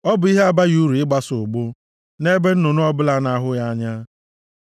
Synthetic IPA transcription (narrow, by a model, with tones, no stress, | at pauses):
ɔ˦bʊ˨˦i˦ɦe˦a˦ba˦ju˦ɾu˨ɪ˦ɡ͡ba˦sʊ˨ɡ͡bʊ˦ | ne˦be˦n̩˦nʊ˨nʊ˦ɔ˦bʊ˦la˦na˦ɦʊ˦ja˦ɲa˦